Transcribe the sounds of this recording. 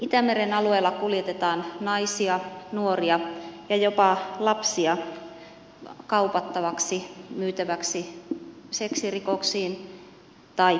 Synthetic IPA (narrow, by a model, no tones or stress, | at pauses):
it̪æmeɾenɑlueːlːɑkuljet̪et̪ɑːnnɑisiɑnuoriɑjɑjopɑlɑpsiɑ | kɑupɑt̪ːɑʋɑksimyːt̪æʋæksi | seksirikoksiːn | t̪ɑi